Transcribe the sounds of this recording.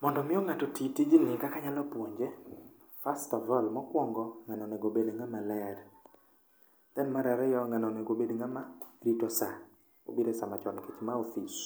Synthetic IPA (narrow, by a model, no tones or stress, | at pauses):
mɔndɔmɪɔŋatɔtitid͡ʒinɪkakaɲalɔpwoɲd͡ʒe | fastɔvɔlmɔkwɔŋɡɔŋanɔneɡobedeŋamalɛd | t̪ɛnmaɾaɾɛjɔŋanɔneɡobedeŋamaɾitɔsa | o̰biɾesamat͡ʃɔnket͡ʃmaofis